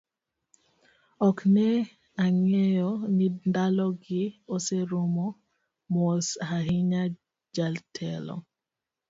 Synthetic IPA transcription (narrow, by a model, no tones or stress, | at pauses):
ɔknɛ | aŋɛjɔnindalɔɡɪoseɾomɔ | mɔsaɦɪɲa | d͡ʒaltʰɛlɔ̰